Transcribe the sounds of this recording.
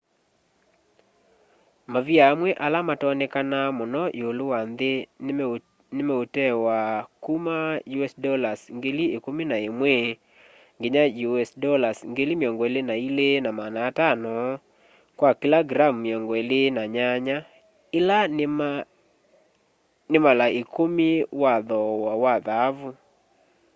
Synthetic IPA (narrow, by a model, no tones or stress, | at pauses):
maviaːmwɛʔalamatɔnɪkanamʊnɔʔeolowand̪e | nɪmɛotɛwakumajuɛsdɔlasŋɡeliekominaemwe | ŋɡeɲajuɛsdɔlasŋɡelimɔŋɡɔelenailenamanatanɔ | kwakilaɡɾamːjɔŋɡɔelenaɲaɲa | ɪlan | nɪmalaekomiwaðɔwawaðavʊ